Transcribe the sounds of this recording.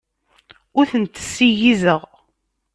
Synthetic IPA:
ʊɾθənt̪ːə̥sːijizəʁ

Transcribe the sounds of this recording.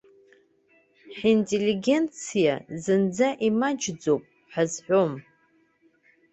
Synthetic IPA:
ħintʼeliɡʲe̞nt͡sʰija̰zɨnd͡zaʔimad͡ʒd͡zowpʼ | ħazħʷᶣom

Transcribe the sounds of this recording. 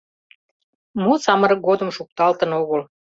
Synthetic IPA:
musɑməɾɤɡod̪ə̆mʃuk̚t̪ɑlt̪ənoɣəl

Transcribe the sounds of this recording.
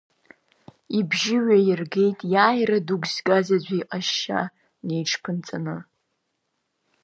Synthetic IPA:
ibʒɪɥajɪrɡe̞jtʼjaːjraduɡʷzɡazad͡ʒʷiːqʼaʃːa̰ | ne̞jʈ͡ʂʰpʰɨnt͡sʼanɨ

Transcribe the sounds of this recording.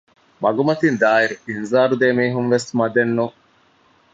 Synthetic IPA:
mɐɡumɐt̪ind̪aːiɾuinzaːɾud̪eːmiːɦunʋesmɐd̪enːu

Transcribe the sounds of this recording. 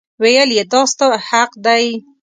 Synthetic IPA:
wejəljet̪ɑst̪ahaqd̪aj

